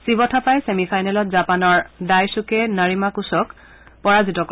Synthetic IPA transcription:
sibɔtʰapajsemifʰajnɛlɔtzapanɔɹdajsukɛnaɹimakusɔk | pɔɹazitɔk

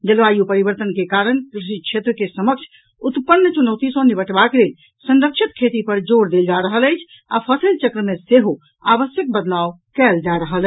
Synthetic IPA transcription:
d͡ʒəlʋajupəɾibəɾt̪ənkekaɾənkɾiʃ̬ikʃʰet̪ɾəkesəməkt͡ʃʰ | ut̪pənːt͡ʃunəʊt̪isənibəʈbaklel | sə̃nɾəkʃʰit̪kʰet̪ipəɾd͡ʒoɾd̪eld͡ʒaɾəɦələjt͡ʃʰ | a̰pʰəsəlt͡ʃəkɾəmeseɦo | abəsjək̚bəd̪law | kɛld͡ʒaɾəɦəl

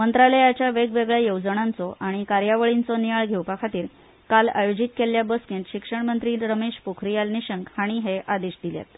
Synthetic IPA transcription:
mənt̪ɾaləjat͡ɕjaʋeɡʋeɡɭjajowd͡zəɳant͡sɔʔaɽ̃ikaɾjaʋəɭint͡sɔnijaɭɡʱewpakʰat̪iːɾ | kala̰jod͡ʑit̪̚keljabəskẽnt̪ɕikʂəɳmənt̪ɾiːɾəmeɕpokʰɾijalniɕəŋkhaɽ̃iɦeʔad̪iɕd̪ilja̰t̪

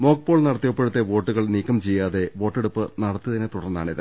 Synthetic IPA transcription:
mo̞ːkpo̞ːɭnɐɽɐt̪ːijɐpːe̞ɽut̪ːe̞ʋo̞ːʈːuɣɐɭniːkːɐmt͡ɕejːaːðe̞ʋo̞ːʈːeɽupːɨnɐɽɐt̪ːɐðɐnet̪uɽɐrnːa̰ːɳiðɨ̰

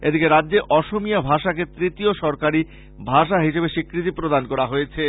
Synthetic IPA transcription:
ed̪ikeɾadːeʔɔʃomijabʱaʃaket̪ɾit̪ioʃɔɾkaɾi | bʱaʃaɦiʃebeʃikːɾit̪̬ipɾod̪ankɔɾaɦojet͡ɕʰe

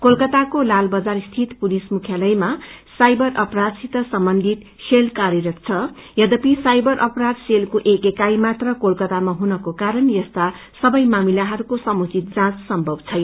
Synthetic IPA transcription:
kolkʌt̪akolalbʌd͡zarist̪ʰit̪pulismukʰjalʌjmasajbʌrʔʌprad̪sit̪ʌsʌmbʌnd̪ʱit̪ | selkaɾjʌɾʌt̪̚t͡sʰʌjʌd̪ʌpisajbʌɾʔʌprad̪selkoʔekekajmat̪rʌkolkʌt̪amaɦunʌkokaɾʌnjʌst̪a | sʌbʌjmamilaɦʌɾukosʌmut͡sit̪̚d͡zãt͡ssʌmbʱʌbt͡sʰʌj

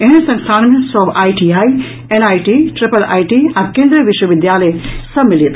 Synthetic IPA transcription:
eɦnsɐ̃ŋsʰaːnmẽsɔbaːjʈiai | enaːjʈiʈɾipəla̰ːjʈiakẽːnd̪ɾəʋiʃwəʋɪd̪jaləsɐmilit̪

